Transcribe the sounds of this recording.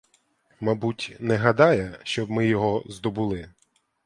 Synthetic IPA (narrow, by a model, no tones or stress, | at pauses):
mɐbutʲnɛɦɐd̪ɑjɛʃt͡ʃɔbmɪjɔɦɔzd̪ɔbulˠɪ